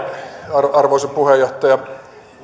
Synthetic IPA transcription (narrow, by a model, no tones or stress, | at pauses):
rɑrʋoˑiseppuhejoht̪ˑɑjɑ